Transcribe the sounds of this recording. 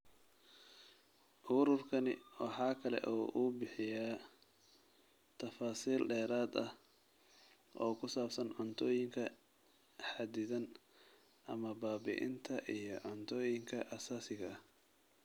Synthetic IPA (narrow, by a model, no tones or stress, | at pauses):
ʔʊɾʊrkʰɐnɪ̰wɑħɑːkʰɐlɛ̰ʔɔːʔʊbɪħɪjaː | t̪ʰɐfaːsiːlɖɛːɾaːd̪ɐh | ʔɔːkʰʊsaːbsɐnʕʊnt̪ʰɔːjɪŋkʰɐ | ħad̪ɪðɐn | ʔɐmɐbaːbɪ̰ʔɪ̰nt̪ʰɐʔijɞʕʊnt̪ʰɔːjɪŋkʰɐʔɐsaːsɪɣɐ